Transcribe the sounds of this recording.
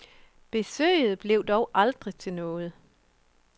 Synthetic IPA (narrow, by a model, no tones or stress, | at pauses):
b̥e̝sø̰ːɪð̞̩ˠb̥le̝ʊd̥ɒʊʔɑ̈ld̥ʁit͡sʰe̝nɔ̽ːð̞̩ˠ